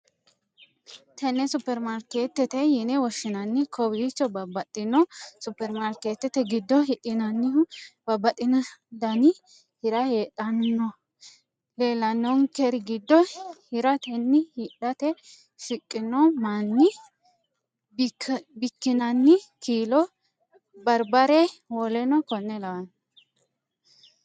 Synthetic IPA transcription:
t̪ɛnːɛsʊpːɛɾmaɾkeːt̪ːɛt̪ɛjɪnɛwɔʃːɪnɐnːɪkʰɔwiːt͡ʃːɔbɐbɐt̪ʼːɪnːɔsʊpːɛɾmaɾket̪ːɛt̪ɛɡɪd̪ːɔɦɪᶑɪnɐnːɪbɐbːɐt̪ʼːɪnɐd̪ɐnɪ | hɪɾɐheːᶑɐnːɔ | le̞ːlɐnːɔŋkɛɾɪɡɪd̪ːɔhɪɾɐt̪ɛnːɪhiᶑɐt̪ɛ | fɪkʼːɪnɔmanːɪ | bbɪkːɪnɐnːɪkʰiːlɔ | bɐɾbɐɾɛwɔlɛnɔkɔnːɛlɐwɐn

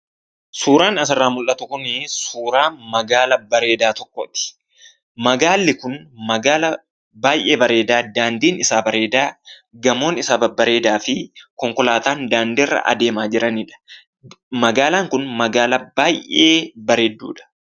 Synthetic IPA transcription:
suːɾaːnɐs̬ɐrːaːmʊlʔɐt̪ʊkʊnɪsuːɾaːmɐɡaːlɐbɐɾe̞ːd̪aːt̪ɔkːɔt̪ɪ̥ | mɐɡaːlːɪkʊnmɐɡaːlɐ | baːjʔeːbɐɾe̞ːd̪aːd̪aːnd̪iːnɪsaːbɐɾe̞ːd̪aː | ɡɐmo̞ːnɪsaːbɐbɐɾe̞ːd̪aːfɪkɔŋkɔlaːt̪aːnd̪aːnd̪ɛrːɐ̰ʔɐ̰d̪e̞ːmaːd͡ʒɪɾɐnɪᶑɐ̥ | mɐɡaːlaːŋkʊnmɐɡaːlɐbaːjʔeːbɐɾeːd̪ːṵːᶑɐ̥

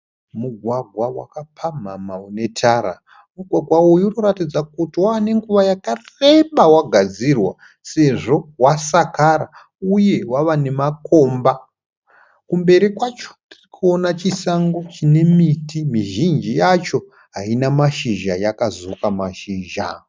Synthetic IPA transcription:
muɡʱwaɡʱwawa̰kapʰamamaune̞tʰaɾa | muɡʱwaɡʱwawojunoɾatid͡zakutiwaːne̞ŋɡuʋajakareɓawaɡʱad͡zirwa | se̞ʐo̞wasakaɾa | uje̞waʋanemakʰo̞mba | kumbe̞ɾikwat͡ʃo̥tirikʰuonat͡ʃisaŋɡo̞t͡ʃine̞mitimiʒind͡ʒijat͡ʃo̞ | ɦainamaʃiʒajakazokamaʃiːʒa̰

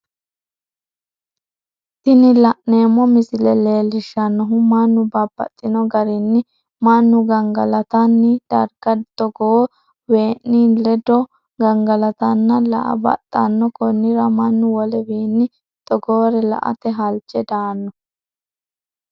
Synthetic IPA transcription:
t̪ɪnɪlɐʔne̞ːmːɔmɪsɪlɛle̞ːlɪʃːɐnːɔɦʊmɐnːʊbɐbːɐ̰t̪ʼːɪnɔɡɐɾɪnːɪ | mɐnːʊɡɐŋɡɐlɐt̪ɐnːɪd̪̥ɐ̰ɾɡɐt̪ɔɡo | we̞ːʔnilɛd̪ɔ | ɡɐŋɡɐlɐt̪ɐnːɐlɐ̰ʔɐ̰bɐ̰t̪ʼːɐ̰nːɔkɔnːɪɾɐmɐnːʊwɔlɛbiːnːɪ | t̪ʼɔɡoːɾɛlɐ̰ʔɐ̰t̪ɛɦɐlt͡ʃʼːɛd̪aːnːɔ

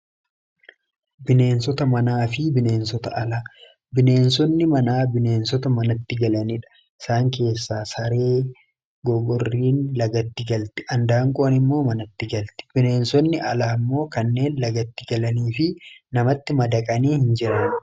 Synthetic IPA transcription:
bɪne̞ːns̬ɔt̪ɐmɐnaːfɪbɪne̞ːnsɔt̪ɐʔɐlaː | bɪne̞ːnsɔnːɪmɐnaːbɪne̞ːnsɔt̪ɐmɐnɐt̪ːɪɡɐlɐniᶑɐ̥ | ɪ̥saːŋke̞ːsːaːsɐɾe̞ː | ɡɔɡɔrːiːnlɐɡɐt̪ːɪɡɐlt̪ɪʔɐnd̪aːŋkʼoɐnɪmːo̞ːmɐnɐt̪ːɪɡɐlt̪ɪ̥b̥ɪne̞ːnsɔnːɪʔɐlaːmːo̞ːkɐnːe̞ːnlɐɡɐt̪ːɪɡɐlɐniːfɪnɐmɐt̪ːɪmɐd̪ɐkʼɐniːhɪnd͡ʒɪɾɐn

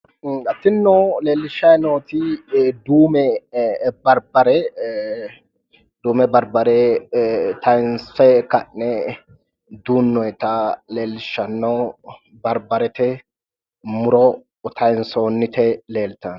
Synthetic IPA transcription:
ɐt̪ːɪnːɔleːlːɪʃːɐjnoːt̪ɪd̪uːmɛ | bɐɾbɐɾɛ | d̪̥uːmɛbɐɾbɐɾɛ | t̪ɐjnsɛkɐnːɛ | d̪uːnːɔjt̪ɐle̞ːlːɪʃːɐnːɐw | bɐɾbɐɾɛt̪ɛ | mʊɾɔ | t̪ʰɐjnsoːnːɪt̪ɛle̞ːlt̪ɐn

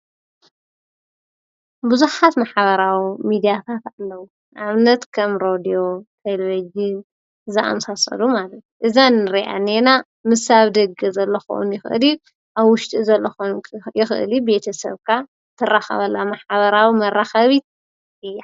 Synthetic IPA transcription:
bɨzuħat̪maħβɐɾawimid̪ijat̪ʰat̪alːɐwu | ʔaβnɐt̪kʰɐmɾod̪io̞t̪ʰeleβid͡ʒɨn | zɨʔa̰msasɐ̰lumalɐt̪ʔɨzanːɨɾiʔa̰nena | mɨsaβd̪ɐɡɐzɐlːɐxo̰ʔṵnjɪxɨʔɨ̰li | ʔaβːʊʃt̪ʼizɐlːɐxojɪxɨ̰ʔɨ̰libe̞t̪ʰɐsɐ̰βkʰa | t̪ʰːɨraxɐ̰βɐlːamaħβɐɾawimɐraxɐβit̪̚ | ɨjːa

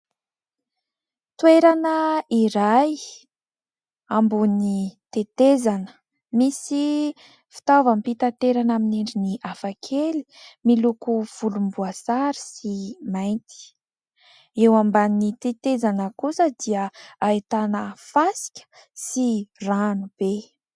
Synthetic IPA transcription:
t̪weɾanəiɾaj | ambunit̪et̪ezanə̥ | misi | fi̥t̪avampit̪at̪eɾanaminiɳɖ͡ʐiniʔafakʰeli̥milukuv̥ulumbuasaɾi̥simajnt̪i̥ | ewambanit̪et̪ezanəkusəd̪iəait̪anəfasi̥kʲə̥ | siranub̥e

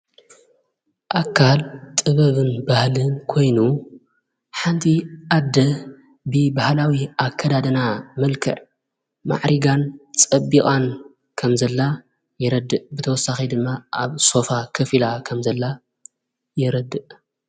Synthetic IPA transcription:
ʔakʰːalt̪ʼɨβɐβɨnbahlɨnkʰo̞jnu | ħant̪ʰiʔad̪ːɐ | bɨbahlawiʔakʰːɐd̪ad̪ɐnamɐlkʰɐ̰ʕ | ma̰ʕɾiɡant͡sʼɐbːikʼan | kʰɐmzɐlːa | jɪɾɐd̪ːɨʔbɨt̪ʰɐwɔsːaxid̪ɨmːaʔaβso̞fakʰɐfilakʰɐmzɐlːa | jɪɾɐd̪ɨʔ

